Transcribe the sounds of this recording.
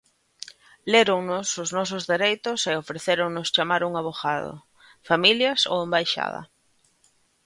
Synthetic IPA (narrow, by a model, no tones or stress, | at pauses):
leɾʊŋnʊsʊznɔs̬ʊzðeɾejt̪ʊseofɾeθeɾʊŋnʊst͡ʃamaɾuŋaβoxaðʊ̰ | familjɐso̰wembajʃa̰ðɐ̰